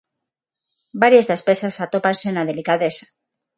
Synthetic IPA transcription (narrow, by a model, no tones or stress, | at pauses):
baɾjazðespesasat̪o̞pansenað̞e̞likaðe̞sḁ